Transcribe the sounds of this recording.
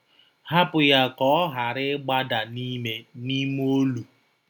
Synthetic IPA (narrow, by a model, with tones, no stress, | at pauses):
ha˦pʊ˨ja˦kɔ˦ɦa˨ɾɪ˦ɡ͡ba˦da˨ni˦me˨ni˦m˦o˦lu˨